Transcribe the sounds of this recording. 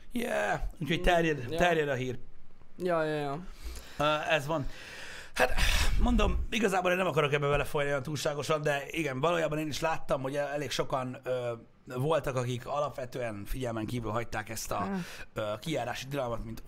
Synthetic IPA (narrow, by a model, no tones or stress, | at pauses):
jɛuːchoct̪ɛrjɛd̪t̪ɛrjɛd̪ɒɦiːrjjjː | ɛzʋɒn | hat̪mo̞nd̪o̞miɡɒzaːboleːnːɛmɒkɒɾo̞kɛbːɛvɛlɛfojnijɒnt̪uːlʃaːɡo̞ʃɒnd̪ɛiɡɛɱvɒloːjaːbɒneːniʃlaːt̪ːɒmho̞ɟɛɛleːkʃo̞kɒnøː | vo̞lt̪ɒkɒkikʰɒlɒpʋɛt̪øːɛnfiɟɛlmɛŋkiːvylɦɒc̚t̪aːkɛst̪ɒ̰øːkijaːɾaːʃit̪ilɒlmɒt̪mint̪